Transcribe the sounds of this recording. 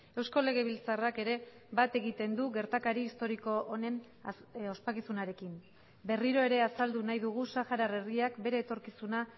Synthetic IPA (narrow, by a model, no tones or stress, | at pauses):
e̞wsko̞le̞ɣ̞e̞β̞ilt͡sarake̞ɾe̞ | bat̪e̞ɣit̪e̞nd̪uɣe̞ɾt̪akaɾiːst̪o̞ɾiko̞ʔone̞n | o̞spakisunaɾe̞kim | be̞riɾo̞e̞ɾe̞asald̪unajðuɣ̞usaxaɾare̞riakbe̞ɾe̞ːt̪o̞ɾkisuna